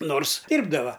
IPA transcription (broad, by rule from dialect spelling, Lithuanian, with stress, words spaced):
ˈnoːrs ˈdʲiːrbdɐʋɐ